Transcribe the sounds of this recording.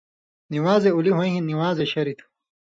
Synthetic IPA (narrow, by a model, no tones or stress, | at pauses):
niwaːzeuliɦõj̃ɦĩniwaːzeɕɐɾit̪ʰ